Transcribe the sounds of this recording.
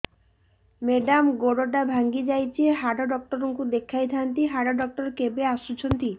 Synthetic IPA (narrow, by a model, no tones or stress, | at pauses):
meɖamɡoɽoʈabʱaŋɡid͡ʒajt͡ʃʰieɦaɖɔɖɔk̚ʈɔɾɔŋkud̪ekʰajt̪ʰant̪iɦaɽɔɖɔk̚ʈɔɾkebeasut͡ʃʰɔnt̪i